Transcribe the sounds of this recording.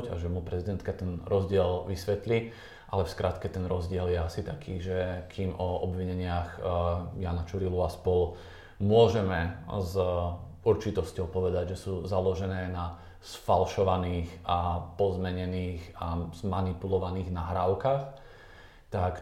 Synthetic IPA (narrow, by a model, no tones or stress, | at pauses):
ɟa̰ʒɛmupɾɛzid̪ɛnt̪kat̪ɛnɾɔzɟɪɛlʋisʋɛt̪li | ʔalɛfskɾat̪kɛt̪ɛnɾɔzɟɪɛljɛasit̪akʰiːʒɛkʰiːmɔɔbʋiɲɛɲɪaxjaːnat͡ʃuɾiluaspɔl | mʊɔʒɛmɛz | uɾt͡ʃit̪ɔscɔʊpɔʋɛd̪aɟʒɛsuːzalɔʒɛnɛːna | sfalʃɔʋaniːxapɔzmɛɲɛniːxazmanipulɔʋaniːɣnaɦɾaːʊkax | t̪ak